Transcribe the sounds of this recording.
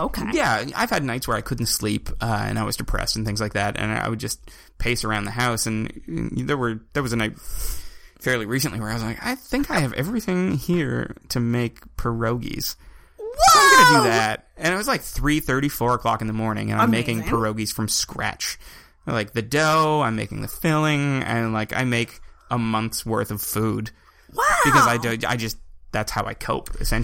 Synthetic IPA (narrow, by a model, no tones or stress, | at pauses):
oʊkʰejæa̰ɪv̥ɨdⁿnaɪtswə˞aɪkʰʊdⁿn̩tslipʰʌɨ̰̃naɪwʌ̰zdɨpʰɹ̥ɛ̰stn̩θɪ̃ŋzlaɪk̚ðæɾɨ̰̃na̰a̰ɪwɨd̚d͡ʒʌs | pʰeɪsə˞ãʊ̃nðɨɦaʊsɨ̃n̰ðə˞wə˞ðə˞wʌzɨnaɪt̚ | fɛɹliɹisɨ̃nʔliwə˞aɪwʌznlaɪka̰ɪθɪ̃ŋkaɪɨvɛ̰vɹiθɪ̃ŋhiɹɾʰɨmeɪkpʰə˞oʊɡḭz̥ | ɡʌdɨðæt̚ɨ̃ñɨt̚wʌzlaɪk̚θɹiθɜ˞ɾifɔɹəkʰl̥ɑ̰kɨn̩ðəmɔɹnɪ̰̃ŋɨ̃nãmeɪkɪ̃ŋpʰə˞oʊɡiz̥fɹʌ̃mskɹæ̰t͡ʃ | laɪk̚ðɨdoʊãɪ̃mḛɪkɪ̰̃ŋðɨ̰fɪlˠɪ̃ŋɨ̰̃nlaɪka̰ɪmeɪkəmʌ̃nθwɜ˞θʌv̥fud | b̥ɨkʰʌzaɪdoʊa̰ɪd͡ʒʌsðætshaʊa̰ɪkʰoʊpɨ̰sɛ̃n